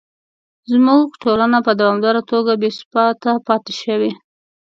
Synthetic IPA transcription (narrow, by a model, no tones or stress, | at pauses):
zmuɡʈolanapəd̪awɑmd̪ɑɾat̪oɡabespɑt̪apɑt̪e̥ʃəwe